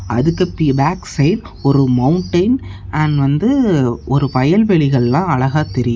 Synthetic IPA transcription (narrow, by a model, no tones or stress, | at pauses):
ɐ̰ðɯkːɐpːiːbaːksɐɪl | ɔɾɯmɐʊɳʈɐɪnanʋɐnd̪ɯɔɾɯpɐjɐlʋɛɭɪɣɐɭlãːɐɭɐɣaːt̪ɛɾɪjɯ